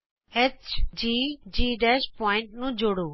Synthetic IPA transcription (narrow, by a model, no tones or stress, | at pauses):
et͡ɕd͡ʑiːd͡ʑiːɖɛːʃpɔːɪ̃ɳʈnũːd͡ʑʱoːɽuː